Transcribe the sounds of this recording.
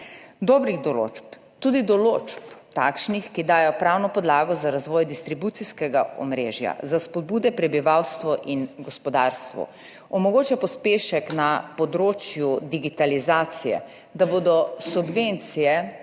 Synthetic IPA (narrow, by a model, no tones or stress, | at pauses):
d̪ɔːbɾiɣd̪ɔlo̰ːt͡ʃp | t̪uːd̪id̪ɔloːt͡ʃpt̪aːkʃnixkid̪aːjɔpɾaːwnɔpɔd̪laːɡɔzaɾazʋɔːjd̪ist̪ɾibuːt̪siskɛɡaɔ̰mɾeːʒja̰zaspɔd̪̚buːd̪ɛpɾɛbiʋawst̪ʋɔʔinɡɔspɔd̪aːɾst̪ʋɔ̰ | ɔmɔɡoːt͡ʃjapɔspeːʃɛknapɔd̪ɾoːt͡ʃjud̪iɡit̪alizaːt̪sijɛ̰ | d̪aboːd̪ɔsubʋent̪sijɛ